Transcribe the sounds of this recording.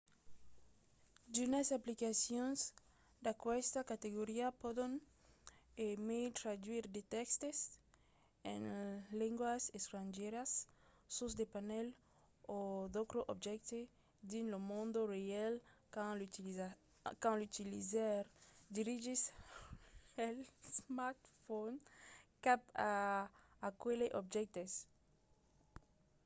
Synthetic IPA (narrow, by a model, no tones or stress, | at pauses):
d̪unasaplikasjõnz | d̪akwɛst̪akat̪eɣoɾiapoðẽn | emejt̪ɾad̪wiɾd̪et̪ɛkst̪es | ḛ̃ŋlẽŋɡwasest̪ɾãnʒeɾasː | osd̪epanɛl | od̪okɾoʔobd͡ʒɛk̚t̪e | d̪ĩnlomõnd̪oɾealãl | kãnlut̪ilizaɾd̪iɾiʒis | elsmaɾt̪fonkapa | akeleʔobd͡ʒɛk̚t̪es